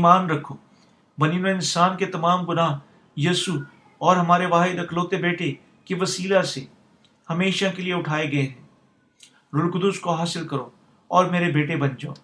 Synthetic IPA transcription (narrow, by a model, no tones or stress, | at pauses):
iːmaːnɾɐkʰoː | bɐninẽɪ̃nsaːnket̪ɐmaːmpʊnaː | jiːsu | ɔːɾɦɐmaːɾeʋaːɦɪd̪ɐkʰloːt̪ebeːʈe | keʋɐsiːlase | hɐmeːʃakelieʊʈʰaːeɡɐeɦɛ̃ː | ɾʊlkʊd̪ʊskoɦaːsɪlkɐɾo | ɔːɾmeːɾebeːʈebɐnd͡ʒa̰ː